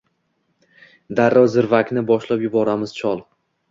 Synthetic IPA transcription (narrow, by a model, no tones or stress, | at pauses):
d̪aɾːɒzɪɾvakʲnɪbɒʃlapjʊbɒɾamɪz̥t͡ʃʰɒlˠ